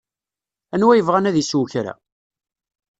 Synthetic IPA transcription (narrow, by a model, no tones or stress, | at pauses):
ænwæjəvʁænæðiswçɾæ̰